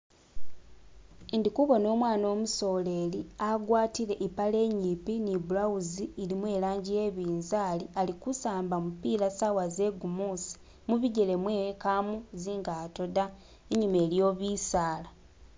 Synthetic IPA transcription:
ndikuβo̞no̞ːmwaːno̞ːmuso̞ːle̞liaɡwaːtiɾe̞ʔipale̞ːɲiːpinibulawuziːlimwe̞ːlaːɲɟije̞βiːnzaːlialikusaːmbamupiːɾasawaze̞ɡumuːsi̥ | muβiɟele̞mweːkamuziːŋɡaːto̞da | eɲume̞ːljo̞ːβiːsaːla

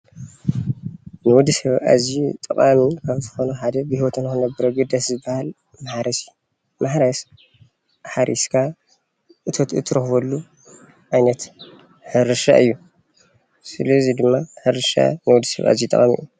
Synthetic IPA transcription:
nɨwɔd̪isɐβa̰zit̪ʼɐkʼamikʰaβzɨxo̞nuħad̪ɐbɨhiwɔt̪ʰɨnkɨnɐbɐɾoɡɨd̪ɐszɨbːahal | maħɾɐsɨjːu | maħɾɐs | ħaɾʔḭskʰa | ʔɨt̪ʰot̪ɨt̪ʰːɨɾɐxβɐlːu | ʔajnɐt̪ | ħɨɾɨʃa̰ʔɨjːu | sɨlɐzid̪ɨmːaħɨɾɨʃa̰nɨwɔd̪isɐ̰βa̰zit̪ʼɐ̰χʼamḭu

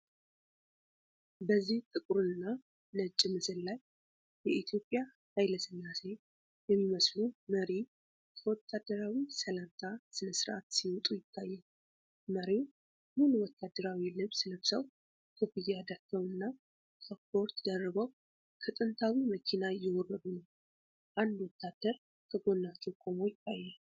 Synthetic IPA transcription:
bəzːiht̪ʼɨkʼuɾɨnːa | nət͡ʃʼːɪmɨsɨllaj | bɛʔit̪ʰijo̞pʼːja | hajləsɨnːase̞ | jɛmːiməsluməɾi | kʰəwɔt̪ʰːad̪ːəɾawisəlant̪ʰasɨnəsɨɾʔa̰t̪siwɔt̪ʼujɪt̪ʰːajːɛn | məɾiw | munuwɔt̪ʰːad̪ːəɾawilɨβsləβsəw | kʰəbɨjːɛad̪ak̪ʰːəmɨnːa | kʰəpo̞ɾt̪d̪ərːəβəw | kʰət̪ʼɨnt̪ʰawiməkʰinajɪwɔrːəd̪unəw | ʔand̪wɔt̪ʰːad̪̥ːəɾ | kʰəɡo̞nːat͡ʃːɛwkʰo̞mo̞jt̪ːajːɛ

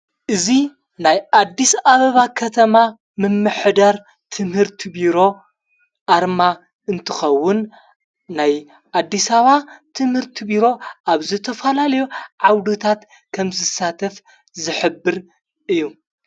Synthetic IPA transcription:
ʔɨzi | najʔad̪ːisaβɐβakʰɐt̪ʰɐma | mɨmːɨħd̪aɾ | t̪ʰɨmhɨɾt̪ʰibiɾo̞ | ʔaɾma | ɨnt̪ʰɨxɐwːʊnː | aj | ʔad̪ːisaβat̪ʰɨmhɨɾt̪ʰibiɾo̞ʔaβzɨt̪ʰɐfɐlalɐjuʕawd̪ut̪ʰat̪ | kʰɐmzɨsːat̪ʰɐf | zɨħɨbːɨɾ | ʔɨjːu

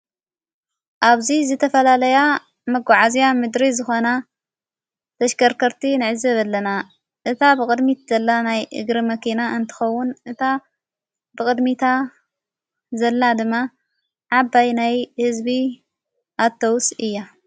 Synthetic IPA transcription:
ʔaβzizɨt̪ʰɐfɐlalɐja | mɐɡaʕazijamɨd̪ɾizɨxo̞na | t̪ʰɐʃkʰɐɾkʰɐɾt̪ʰinɨʕɨzɐβɐlːɐna | ʔɨt̪ʰabɨkʼɨd̪mit̪zɐlːanajʔɨ̰ɡɾimɐkʰinaʔɨnt̪ʰɨ̥xɐwːʊnʔɨt̪ʰa | bɨkʼɨd̪mit̪ʰa | zɐlːad̪ɨmːa | ʕabːajnajhɨzbi | ʔat̪ʰːɐwsɨjːa

